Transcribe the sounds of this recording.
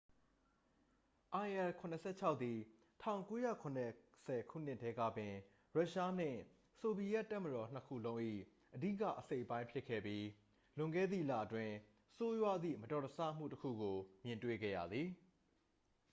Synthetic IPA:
ʔã˨ɪʔɛ˨kʰʊ̃˨nə˨sʰɛ̰˦˨t͡ɕʰa˦ʊʔt̪i˨ | tʰã˦˨ʊ̃ŋko˦jä̰˦˨kʰʊ̃˨nɛ˨sɛ˨kʰṵ˦˨n̥ɪ˦ʔtʰːɛ˦ɡä̰˦˨bɪ̃˨ | ɹa˦ʔʃa˦n̥ɪ̰̃˦˨ | so˨bi˨jɛ˦ʔtːa˦˨məɾɔ˨n̥əkʰṵ˦˨lõ˦ʊ̃ʔḭ˦˨ | ʔədi˦˨ka̰˦˨ʔəse˦ɪʔəpã˦ɪ̃mpʰjɪ˦kʰːɛ̰˦˨bji˦ | lʊ̃˨ŋɡɛ̰˦˨d̪ðḭ˦˨la̰˦˨ʔətwɪ̃˨ | so˦jwa˦d̪ðḭ˦˨mətɔ˨təsa̰˦˨m̥ṵ˦˨təkʰṵ˦˨ɡo˨mjɪ̃˨ntwḛ˦˨ɡɛ̰˦˨ja̰˨d̪ði˨

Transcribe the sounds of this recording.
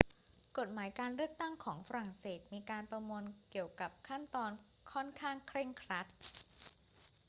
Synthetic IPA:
ko˨˩t̪̚maː˩˦jkaː˧nɾɯ˥˩ək̚t̪a˥˩ŋkʰɔː˩˦ŋfa˧ɾa˨˩ŋseː˨˩t̪̚miː˧kaː˧npɾa˧mu˧ənki˨˩əwka˨˩p̚kʰa˥˩nt̪ɔː˧n | kʰɔ˥˩nkʰaː˥˩ŋkʰɾe˥˩ŋkʰɾa˦˥t̪̚

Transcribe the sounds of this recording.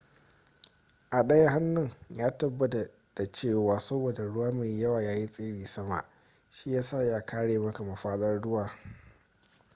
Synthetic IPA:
ʔa˨ɗɐ˦ja˦ɦa˦nːʊ˨ŋjaː˦tɐ˨bːɐ˦ta˨ | d̥a˨t͡ʃeː˦˨waː˨sɐ˦boː˨da˨ɽʊ˦waː˦ma˨jjɐ˦waː˨jaː˦ji˦sʼeː˦biː˨sɐ˦ma̰˨ʔ | ʃi˦jaː˦saː˦˨ja˦kaː˦ɽeː˨mɐ˦ka˨ma˨ɸaː˦ɗɐ˦rɽʊ˦waː˨

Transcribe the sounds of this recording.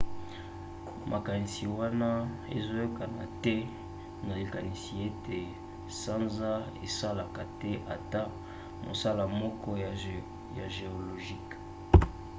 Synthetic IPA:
mʔa˨ka˨ni˨si˨wa˦na˦ | ḛ˨zo˦jo˦ka˨na̰˨tɛ˦ | mo˨le˨ka˨ni˨si˨e˦te˨ | sa˦nza˦ | ḛ˨sa˦la˨ka˨tɛ˦ʔa̰˨ta˦ | mo̰˨sa˦la˨mɔ˦kɔ˦ | ja̰˨ʒe˨o˨lo˨ʒi˦k

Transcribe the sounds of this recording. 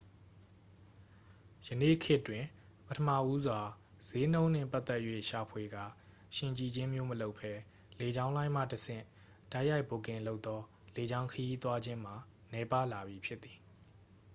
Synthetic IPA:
jənḛ˦˨kʰɪ˦ʔtːwɪ̃˨ | pətʰəma̰˦˨ʔu˦zwa˨ | z̥e˦n̥õ˦ʊ̃n̥ɪ̰̃˦˨pa˦t̪ɛ˦ʔjwḛ˦˨ʃa˨pʰwe˨ɡä̰˦˨ | ʃɪ̃˨ɲt͡ɕi˨d͡ʑɪ̃˦mjo˦məlo˦ʊpʰːɛ˦ | le˨d͡ʑã˦ʊ̃lã˦ɪ̃m̥ä̰˦˨təsɪ̰̃˦˨ | d̥a˦ɪʔja˦ɪpo˨kɪ̃˨nlo˦ʊt̪ːɔ˦le˨d͡ʑã˦ʊ̃ŋkʰəji˦t̪wa˦d͡ʑɪ̃˦m̥a˨ | nɛ˨˦pa˦˨la˨bji˨pʰjɪ˦t̪ːi˨

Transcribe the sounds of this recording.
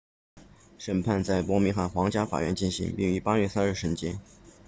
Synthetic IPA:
ʂə˨˩npʰa˥˧nt͡sa˥˩ɪpwɔ˧˥mi˧˥ŋxa˥˩xwɑ˧˥ŋt͡ɕja˥fa̰˨˩ɥɛ˧˥nt͡ɕi˥˩nɕi˧˥ŋpi˥˩ŋy˧˥pa˥ɥɛ˥˩sa˥nɻ̩˥˩ʂə˧˥nt͡ɕjɛ˥n

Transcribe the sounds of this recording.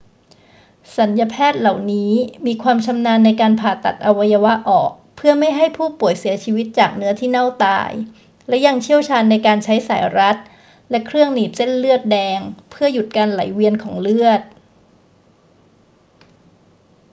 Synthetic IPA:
sa˩˦nja˧pʰɛː˥˩t̪̚la˨˩wniː˦˥miː˧kʰwaː˧mt͡ɕʰa˧mnaː˧nːa˧jkaː˧npʰaː˨˩t̪a̰˨˩t̪̚ʔa˧wa˧ja˧wa˦˥ʔɔ̰ː˨˩k̚pʰɯ˥˩əma˥˩jɦa˥˩jpʰuː˥˩pu˨˩əjsi˩˦t͡ɕʰiː˧wi˦˥t̪̚t͡ɕaː˨˩k̚nɯ˦˥ɐt̪ʰiː˥˩na˥˩wt̪a̰ː˧j | lɛ˦˥ja˧ŋt͡ɕʰi˥˩əwt͡ɕʰaː˧nːa˧jkaː˧nt͡ɕʰa˦˥jsa̰ː˩˦jɾa˦˥t̪̚ | lɛ˦˥kʰɾɯ˥˩əŋniː˨˩p̪̚se˥˩nlɯ˥˩ət̪̚dɛː˧ŋpʰɯ˥˩əju˨˩t̪̚kaː˧nla̰˩˦jwi˧ənkʰɔː˩˦ŋlɯ˥˩ət̪̚

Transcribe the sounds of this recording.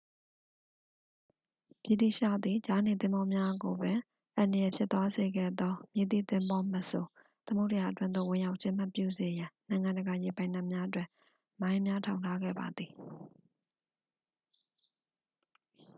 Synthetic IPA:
pji˨d̪ḭ˦˨ʃa̰˦˨d̪ði˨d͡ʑa˦ne˨t̪ɪ̃˦mbɔ˦mja˦ɡo˨bɪ̃˨ | ʔã˨ndə˨jɛ˨pʰjɪ˦t̪ːwa˦ze˨ɡɛ̰˦˨d̪ɔ˦mje˨t̪ḭ˦˨t̪ɪ̃˦mbɔ˦mə˨so˨ | t̪əmo˦ʊʔtə˨ja˨ʔətwɪ̃˦nd̪o̰˦˨wɪ̃˨ja˦ʊʔt͡ɕʰɪ̃˦m̥a˦˨pjṵ˦˨ze˨jã˨nã˨ɪ̃ŋã˨ndə˨ɡa˨je˨pã˦ɪ̃nã˨mja˦ʔət̬wɪ̰̃˦˨ʔ | mã˦ɪ̃mja˦tʰã˨ʊ̃ntʰa˦ɡɛ̰˦˨ba˨d̪ði˨

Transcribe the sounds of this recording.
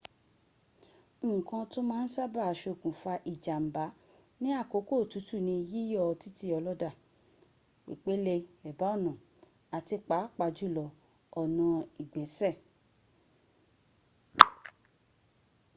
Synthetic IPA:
kã˧to˦mãː˦˧n̩˦sa˦ba˦˨ʃe˧o˨kũ˨fa˧ʔi˨d͡ʒa˨m̩˨ba˨˦ | nĩ˦a˦˨ko˨˦ko˦˨tu˨˦tu˦˨nĩ˧ji˦jɔ˦˧ti˦ti˧˦ɔ˧lɔ˦da˦˨ | k͡pḭ˨k͡pe˨˦le˧ɛ˨ba˨˦ɔ˦˨nã˨ | a˨ti˧k͡pa˨˦k͡pa˧d͡ʒu˦˨lɔ˧ | ɔ˦˨nã˧i˨ɡ͡bɛ˨sɛ˦˨

